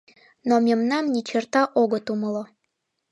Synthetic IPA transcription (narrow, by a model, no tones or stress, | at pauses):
nomemnɑmnit͡ɕərt̪ɑʔoɣət̪uməlo